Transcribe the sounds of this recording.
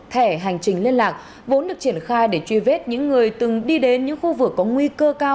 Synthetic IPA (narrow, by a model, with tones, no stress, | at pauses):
t̪ʰɛ˧˩ɦa˨˩jŋ̟t͡ɕï˨˩ŋ̟li˧ənlaː˨˩k̚ | vo˨˦nɗɨ˨˩ək̚t͡ɕi˧˩ənxaː˧jɗe˧˩t͡ɕwi˧˩ve˦˥t̚ɲɨ̰˧˥ŋːɨ˨˩əjt̪ɨ˨˩ŋɗi˧ɗe˨˦nɲɨ̰˧˥ŋxu˧vɨ˨˩əkːɔ˨˦ŋwi˧kəː˧kaː˧w